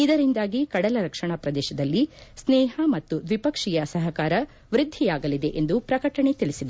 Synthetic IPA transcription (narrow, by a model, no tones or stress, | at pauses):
id̪ɐɾind̪aːɡikɐɽɐlɐɾɐkʂɐɳapɾɐd̪ɛːʃɐd̪ɐlːisnɛːɦɐmɐt̪ːuʋipɐkʂijɐsɐɦɐkaːɾɐ | ʋɾɪd̪ʱːijaːɡɐlid̪e̞ʔend̪upɾɐkɐʈɐɳe̞t̪iɭisid̪e